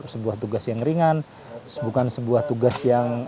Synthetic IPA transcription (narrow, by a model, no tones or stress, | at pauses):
səbuaht̪uɡasjaŋriŋan | sbukansəbuaht̪uɡasjaŋ